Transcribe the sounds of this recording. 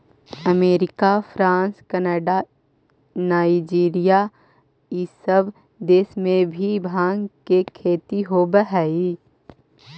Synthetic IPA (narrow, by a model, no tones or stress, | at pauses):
əmeːɾɪkafʰɾãːnskənəɖa | naːɪd͡ʒiːɾija | isəb | d̪eːsmẽbʱibʱãːŋɡkekʰeːt̪iɦobəɦɛi